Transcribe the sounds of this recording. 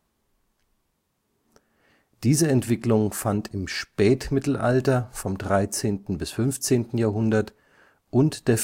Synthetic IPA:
d̥iːzəɛntv̥ɪklʊŋfantʰɪmʃpɛːtmɪtl̩ʔa̰ltɐfɔmdʁaɪt͡seːntn̩bɪsfʏnft͡seːntn̩jaːɦʊndɐt | ʔʊntd̥eːɐf

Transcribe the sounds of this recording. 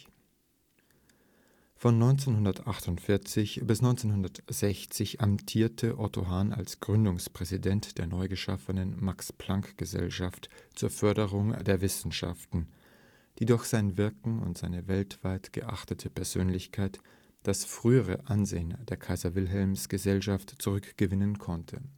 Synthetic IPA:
fɔnːɔʏnt͡seːnhʊndɐtʔaχtʊntfɪɐt͡sɪçb̥ɪsnɔʏnt͡seːnɦʊndɐtz̥ɛçt͡sɪçamtʰiːɐtʰəʔɔtʰoɦaːna̰lsɡ̥ʁʏndʊŋspʁ̥ɛzidɛntd̥eːɐnɔʏɡəʃafənənmakspl̥aŋkɡ̥əzɛ̰lʃaftt͡suːɐfœɐdəʁʊŋdeːɐvɪsn̩ʃa̰ftn̩ | d̥iːdʊɐxz̥aɪnvɪɐkŋ̩ʊ̰ntz̥aɪnəvɛltv̥aɪtɡ̥ə̰ʔa̰χtətʰəpɛɐz̥ø̰ːnlɪçkʰaɪt | d̥asfʁ̥yːəʁ̞ə̰ʔanzeːənd̥eːɐkʰaɪzɐvɪlɦɛlmsɡ̥əzɛlʃaftt͡suʁ̞ʏkɡ̥əvɪnənkʰɔntʰə̰

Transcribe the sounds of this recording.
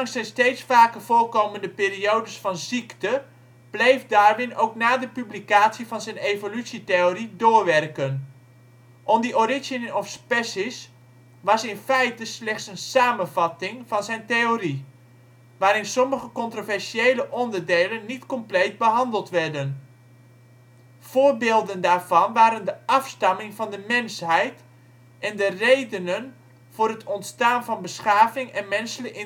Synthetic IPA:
ɑŋsɛjnstejtsfaːkəv̥oːlkowməndəpɪːɾiowdəsfɑnziktə | b̥lejfdaːɹʋɪnowknaːdəpyblikaːtsivɑnzɛjnejvolytsitejoridʊːɹʋɛrkən | ʔɔndiʔorɪʒənɔfspɛsis | ʋɑsɪnfɛjtəslɛχtsənsaːmənvɑtɪŋvɑnzɛjntejori | ʋaːɾɪnsɔməχəkɔntrovɛɹsʃiejləʔɔndərdeːlənːitkɔmplejd̚bəɦɑndəlˠtʋɛɹdən | v̥ʊːɹbeːlˠdəndaːɹv̥ɑnʋaːɾəndəʔɑfstɑmɪŋvɑndəmɛnshɛjt | ʔɛndərejdənən | v̥ʊːrətʰɔntstaːnvɑnbəsχaːvɪŋɛnmɛnsələkɪ

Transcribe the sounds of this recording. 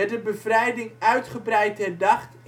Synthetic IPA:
ɛdəbəvrɛjdɪŋœɥtχəbrɛjtɛrdɑχt

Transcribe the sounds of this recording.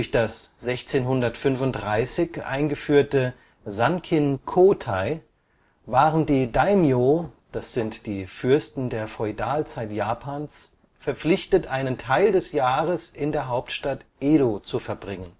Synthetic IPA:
çd̥asz̥ɛçt͡seːnɦʊndɐtfʏnvʊnt̚dʁaɪsɪçʔa̰ɪnɡəfyːɐtə | zankʰɪnkʰoːtʰaɪ | vaːʁəndiːdaɪmjod̥asz̥ɪntd̥iːfʏɐstn̩deːɐfɔɪdaːlt͡saɪtjaːpʰaːns | fɛɐp͡flɪçtətʔaɪnəntʰaɪldɛsjaːʁəsɪndeːɐɦaʊptʃtatʔeːɾot͡sufɛɐbʁɪŋən

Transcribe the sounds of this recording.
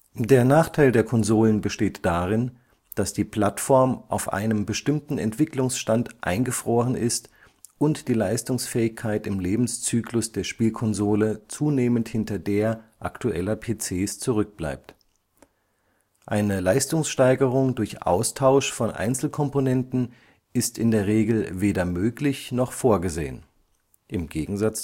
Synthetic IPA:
deːɐnaːχtʰaɪldeːɐkʰɔnzoːlənbəʃteːtd̥aːʁɪn | d̥asd̥iːpʰl̥atfɔɐmʔa̰ʊfʔa̰ɪnəmbəʃtɪmtn̩ɛ̰ntv̥ɪklʊŋsʃtantʔa̰ɪnɡəfʁ̥oːʁənʔɪst | ʔʊntd̥iːlaɪstʊŋsfɛːɪçkʰaɪtɪmleːbm̩st͡syːklʊsd̥eːɐʃpiːlkʰɔnzoːlət͡suːneːmənthɪntɐdeːɐʔa̰ktuʔɛlɐpʰeːt͡seːst͡suʁʏk̚b̥la̰ɪp̚t | ʔaɪnəlaɪstʊŋsʃtaɪɡəʁ̞ʊŋdʊɐçʔa̰ʊstʰaʊʃfɔnʔa̰ɪnt͡sl̩kʰɔmponɛntn̩ | ʔɪstɪndeːɐʁ̞eːɡl̩veːdɐmøːklɪçnɔχfoːɐɡəzḛːən | ʔɪmɡeːɡŋ̩zat͡s

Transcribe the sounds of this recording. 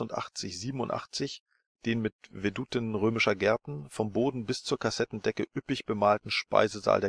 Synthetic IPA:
ʊntʔa̰χt͡sɪçz̥iːbm̩ʊ̰ntʔa̰χt͡sɪç | d̥eːnmɪtvedutɪnənʁøːmɪʃɐɡɛɐtn̩fɔmboːdn̩bɪst͡suːɐkʰasɛtn̩dɛkəʔʏpɪçb̥əmaːltn̩ʃpa̰ɪzəza̰ːldeː

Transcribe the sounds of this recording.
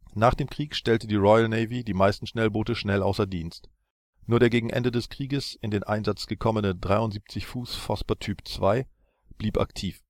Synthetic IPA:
naːχd̥eːmkʁ̥iːkʃtɛltədiːʁɔʏəlneɪvidiːmaɪstn̩ʃnɛlboːtəʃnɛlʔaʊsɐdiːnst | nuːɐɾeːɐɡeːɡŋ̩ʔɛ̰ndədɛskʁ̥iːɡəsɪndeːnʔa̰ɪnzat͡sɡ̥əkʰɔmənədʁaɪʊntz̥iːp̚t͡sɪçfuːsfɔspɐtʰyːpt͡sv̥aɪ | b̥liːpʔa̰ktʰiːf

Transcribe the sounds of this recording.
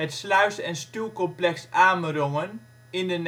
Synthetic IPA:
ɦətslœɥsɛnstylˠkɔmplɛksaːmərɔŋən | ɪndən

